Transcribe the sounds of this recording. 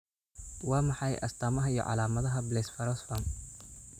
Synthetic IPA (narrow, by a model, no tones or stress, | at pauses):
wɑːmɑħɑjʔɐ̰st̪ʰaːmɐɦɐijɔ̰ʕɑ̰laːmɐðɐɦɐblɛːsfɐɾɔsfɐm